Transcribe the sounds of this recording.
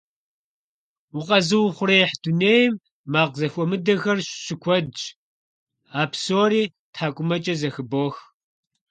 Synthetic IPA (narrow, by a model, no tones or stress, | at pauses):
wʊqʼɐzɨwχʷʊɾeːħd̥uneːjmː | aːqzɐxʷʼɔmɨdɐɣɐrɕɕɪkʷʰɔdd͡ʒ | aːpsoːɾiː | tʰħaːkʷʼʊmɐt͡ʃʼɐzɐxɨboːx